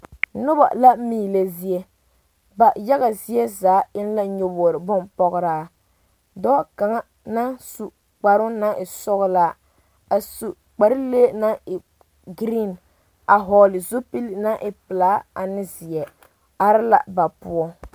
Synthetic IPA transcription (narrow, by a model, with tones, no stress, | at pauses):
nʊ˦ba̰˨la˦miː˦˨le˨zi˦jɛ˦ | ba˨ja˦ɣa˨zi˦ɛ˦zaː˨˦ɪ˦n˦la˦ɲo˦bɔː˨ɾɪ˨bʊ˦npɔ˦ɣʊ˦ɾaː˦ | dɔː˦ka˨ŋa˦ | na˦su˨ | k͡pa˨ɾʊ˦na˦ʔɪ˨sɔ˦ɣla˦ | a˨su˨ | k͡pa˨ɾɪ˦leː˦na˦ɪ˨ | ɡɾi˦˨n | a˨ɦɔː˨lɪ˨zo˦pi˦lna˦ʔɪ˨pɪ˨laː˦a˨nɪ˦zi˨ɛ˨ | a˨ɾɪ˦la̰˦˨ba˨pʊ˦ɔ˦